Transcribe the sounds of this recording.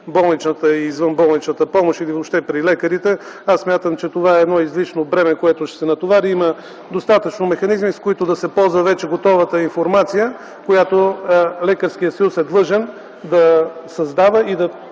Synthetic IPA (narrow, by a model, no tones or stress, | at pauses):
bɔlˠnit͡ʃnət̪əiːzvənbɔlˠnit͡ʃnət̪əpɔmoʃilivopʃt̪ɛpɾilɛkəɾit̪ɛ | assːmʲjat̪əmt͡ʃɛt̪ovaɛːd̪nɔizliʃnobɾɛmɛkoɛt̪ʊʃsɛnɐt̪ovaɾiimə | d̪ost̪at̪ət͡ʃnomɛxɐnizmiskoit̪od̪ɐsɛpɔlˠzvəvɛt͡ʃɛɡot̪ɔvət̪əinfoɾmat̪sijə | kojat̪olɛkəɾskijəsɐjusɛd̪lˠɤʒɛn | d̪ɐsɐzd̪avəid̪ɐ